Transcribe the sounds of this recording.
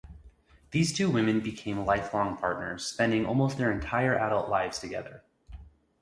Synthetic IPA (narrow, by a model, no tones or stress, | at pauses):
ðiz̥tʰʉwɪ̃mɨ̃nbɨkʰẽɪ̃mlaɪflɔ̃ŋpʰɑɹtⁿnə˞z̥spɛ̃ndɪ̃ŋʔɔ̰lˠmoʊst̚ðə˞ɨ̃ntʰaɪə˞ʔæɾʌlˠʔlaɪvz̥tʰɨɡɛ̰ðə̰˞